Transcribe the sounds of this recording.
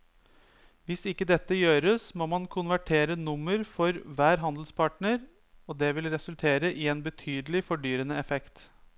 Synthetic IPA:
ʋɪsɪkːəd̪ɛt̪ːəjøːɾəsmoːmɑnkʰʊnʋæʈʰeːɾənʊmːəɾfɔɾʋæːɾɦɑnd̪l̩spʰɑʈɳəɾ | ɔd̪ɛːʋɪlɾɛsʉlt̪ʰeːɾəʔɪɛeːnbət̪ʰyːd̪əlɪfɔɖyːɾənəɛfɛkt̪

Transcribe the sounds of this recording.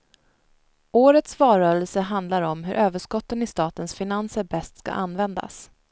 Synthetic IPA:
oːɾət̪svɑːɾœːɾəlsəɦand̪laɾɔmɦɵ̰ɾʔøːvəʂkɔt̪ːənɪst̪ɑːt̪ənsfɪnansəɾbɛst̪ska̰ʔanːvɛnd̪a̰s

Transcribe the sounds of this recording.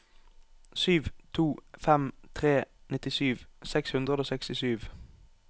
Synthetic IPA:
syːʋt̪ʰuːfɛmt̪ʰʁeːnɪt̪ɪsyːʋsɛkshʉnd̪ʁəd̪oːsɛkst̪ɪsyːʋ

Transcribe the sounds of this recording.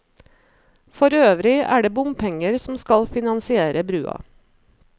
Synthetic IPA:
fɔɾøːʋɾɪʔæ̰ːɖeːbʊmpʰɛŋəɾsm̩skɑlfɪnɑnsɪeːɾəbɾʉːɑ̰

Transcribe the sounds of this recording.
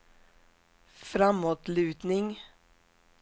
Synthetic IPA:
fɾamːoːt̪lʉ̟ːd̪nɪŋ

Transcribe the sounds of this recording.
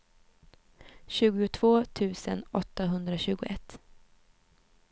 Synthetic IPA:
ɕʉ̟ːɡʊʊt̪ʰv̥oːt̪ʰʉ̟ːsə̰nɔt̪ːaɦɵnd̪ɾaɕʉ̟ːɡʊʔɛt̪ː

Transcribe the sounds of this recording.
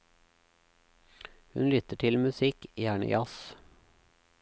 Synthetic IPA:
hʉnlʏt̪əʈʰɪlmʉsɪkjæːɳə̰jʔɑs

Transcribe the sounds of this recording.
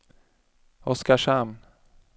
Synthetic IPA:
ɔskaʂam

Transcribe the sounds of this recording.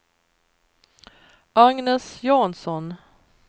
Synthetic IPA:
ʔaŋnɛsjɑːnsɔn

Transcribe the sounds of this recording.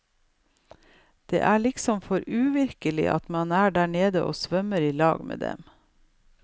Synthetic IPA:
d̪̥ḛːʔæːɭɪksɔmfɔɾʉːʋɪɾkəlɪ̰ʔɑ̰t̪mɑnæːɖæːɳeːd̪əʔo̰ːsʋœməɾiːlɑ̰ːɡmḛːd̪ɛ̰m

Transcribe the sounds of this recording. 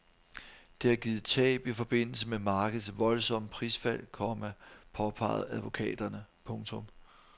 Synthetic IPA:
d̥e̝æɡ̥iːð̩ˠt͡sʰɛ̰ːb̥ifɒ̽b̥e̝n̰l̩səmemɑ̈ːɡ̥əð̩ˠsʋɒ̽lsɒ̽m̰pʰʁisfæl̰kʰɒmæpʰɒ̽pʰɑ̰̈ɪð̩ˠæðˠʋo̝kʰɛ̰ːd̥ɐnəpʰɔ̽ŋt͡sʰɔ̽m

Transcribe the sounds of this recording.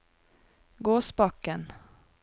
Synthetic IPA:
ɡoːsbɑkːən

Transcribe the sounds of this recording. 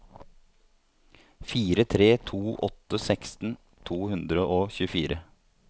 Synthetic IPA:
fiːɾət̪ʰɾeːt̪ʰuːʔɔt̪əsɛkst̪n̩ | t̪ʰuːhʉnd̪ɾəʔoːçʉːəfiːɾə

